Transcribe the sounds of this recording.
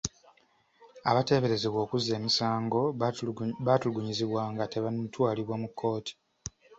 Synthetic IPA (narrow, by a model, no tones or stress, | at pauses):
a̰βate̞ːβe̞ɾe̞zeβwo̞ːkuze̞ːmisaːŋɡo̞ | βatuuɡuɲiziβwaːŋɡate̞βatwaːliβwamukʰːo̞ːti̥